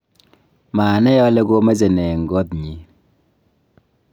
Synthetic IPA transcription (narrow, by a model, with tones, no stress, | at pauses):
maː˨nɛ˦jɔ˦le˦ɡo˦me˦ze˨nɛ˨ŋ̩˨ɡɔ˦t̚ɲi˨